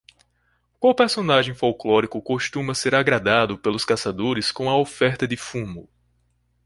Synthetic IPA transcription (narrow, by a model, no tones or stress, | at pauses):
kawpeɾsõnaʒẽj̃fowklɔɾikʊkoʃt̪ũmɐseɾaɡɾad̪ad̪ʊpelʊskasad̪oɾɪskõw̃ɐofɛɾt̪ɐd̪ɪfũmʊ